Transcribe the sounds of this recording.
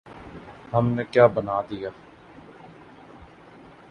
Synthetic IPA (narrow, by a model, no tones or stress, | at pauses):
ɦəmneːkjaːbənaːd̪ijaː